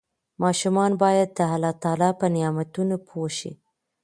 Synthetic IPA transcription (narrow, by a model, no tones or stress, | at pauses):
mɑʃumɑnbɑjad̪ːəɦalɑt̪ɑlɑpənɪjɑmat̪unopʰoʃḭ